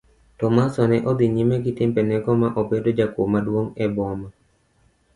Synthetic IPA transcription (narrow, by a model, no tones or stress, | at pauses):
tɔmasɔnɛʔod̪iɲimɛɡɪtɪmpɛnɛɡɔmaʔobedod͡ʒakomadwoŋɛbɔma